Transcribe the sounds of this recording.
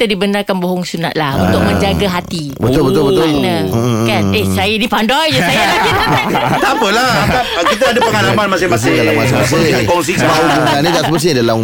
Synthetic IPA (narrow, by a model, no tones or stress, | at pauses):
t̪adibənarkanboɦɔŋsunat̪̚lahṵnt̪ʊk̚mə̃ɲd͡ʒaɡaɦat̪i | bət̪ʊlbət̪ʊlbət̪ʊlnəkanehsajadipandɔjd͡ʒusajalaɡit̪apəlahakakit̪aadapəŋalamanmasɪhmmasɪalamasɪmas̬ɪakɔŋs̬iksbauɡanidasəpəs̬ɲadala